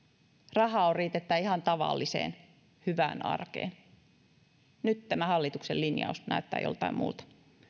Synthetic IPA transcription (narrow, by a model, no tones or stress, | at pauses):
rɑhɑorriːt̪et̪ːæihɑnt̪ɑʋɑ̰lːisḛːn | hyʋæ̰ːnɑ̰rkḛːn | nyt̪tæmæhɑlːit̪uksellinjɑ̰usnæ̰yt̪ːæ̰ːjolt̪ɑimmṵːlt̪ɑ̥